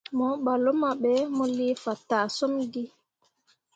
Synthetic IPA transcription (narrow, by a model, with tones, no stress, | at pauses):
mɔɓalɔ˦maɓɛmɔ˨liːfa˨taː˨sɔ˦mɡi˦